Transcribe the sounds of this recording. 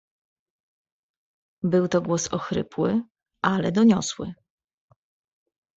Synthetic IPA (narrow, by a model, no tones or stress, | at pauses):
bɘwt̪ɔɡwɔsɔxɾɘ̰pwɘ | ʔalɛd̪ɔɲɔswɘ̰